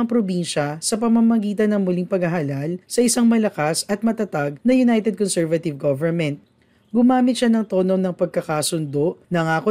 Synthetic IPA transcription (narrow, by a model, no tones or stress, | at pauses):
ɐŋpɾobinʃɐsɐpɐmamɐɡiːt̪ɐnːɐŋmʊliŋpɐɡɐɦɐlalsɐʔɪsaŋmɐlɐkasɐt̪̚mɐt̪ɐt̪aɡ̚nɐjʊnajt̪ɛd̪̚konsɛɹvɐt̪ɪvɡovɛnmɛnt̪̚ | ɡʊmaːmɪt̪̚ʃanɐŋt̪oːnownɐŋpɐɡ̚kɐkaːsʊnd̪o̞ʔnɐŋaːko